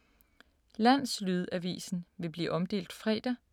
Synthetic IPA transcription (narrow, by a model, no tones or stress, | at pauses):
læn̰slyðˠæʋḭːsn̩ʋe̝b̥liːʔɒ̽md̥e̝̰ːld̥fʁɛ̰ːd̥ɐ